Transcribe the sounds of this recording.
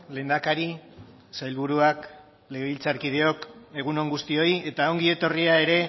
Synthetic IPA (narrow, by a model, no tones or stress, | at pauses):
le̞ːnd̪akaɾi | sajlβuɾuak | le̞ɣeβilt͡saɾkið̞e̞o̞ke̞ɣ̞uno̞ŋɡust̪io̞ie̞t̪aoŋɡie̞t̪o̞riae̞ɾe̞